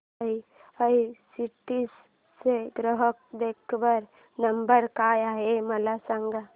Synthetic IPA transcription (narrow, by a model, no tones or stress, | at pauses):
i | əisiʈis | seɡɾəɦək̚d̪eːkʰbəɾ | nəmbəɾkaːjaɦemɐlasãŋɡa